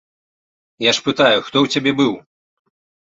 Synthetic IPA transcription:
jaʂpɨt̪ajuxt̪ɔwt͡sʲabʲɛbɨw

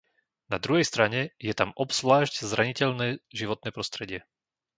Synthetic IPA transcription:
nad̪ɾuɦɛjst̪ɾaɲɛjɛt̪amɔpsʋlaːʒɟzɾaɲicɛʎnɛːʒiʋɔt̪̚nɛːpɾɔst̪ɾɛɟɪɛ

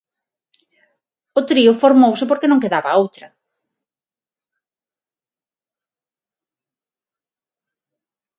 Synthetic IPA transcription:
ʊt̪ɾiʊfoɾmowsɪpoɾkenõŋkeðaβɐowt̪ɾɐ

